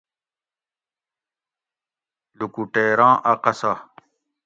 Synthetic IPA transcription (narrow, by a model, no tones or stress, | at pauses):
lukuʈeːɾãːʔɐqɐsa